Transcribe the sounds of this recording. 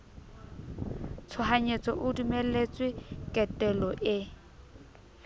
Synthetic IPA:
t͡sʰʊɦaɲet͡sʼɔʔʊdumelet͡sʼwɪkʼɛtʼɛlɔʔɪ

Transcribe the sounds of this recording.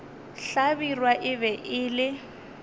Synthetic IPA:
ɬabirwaʔɪbɛʔɪːlɪ

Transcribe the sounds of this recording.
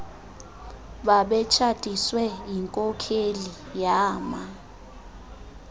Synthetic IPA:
ɓaɓɛt͡ʃʰad̥ʱiswɛjiŋkʼɔkʰeli | jaːma

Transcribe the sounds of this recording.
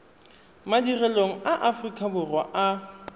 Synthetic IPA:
madirɛloŋ̩aʔafrikʼʰabʊrwaʔa

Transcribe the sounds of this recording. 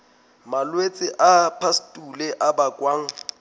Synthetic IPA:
malwet͡sʼɪʔapʰastʼulɛʔabakʼwaːŋ̩

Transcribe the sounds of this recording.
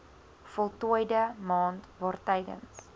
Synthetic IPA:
fɔlˠtuəjdəmɑːntvɑːrtɛjdə̰ns

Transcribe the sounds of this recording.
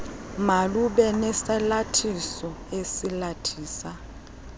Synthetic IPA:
maluɓɛnɛsɛlatʰisɔesilatʰiːsa

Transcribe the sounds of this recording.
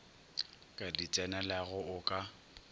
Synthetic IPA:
kʼadit͡sʼɛnalaɣʊʊkʼa

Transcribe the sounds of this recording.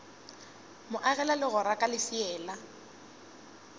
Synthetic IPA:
mʊʔaɣɛlalɪɣʊɾakʼalɪsiɛːla

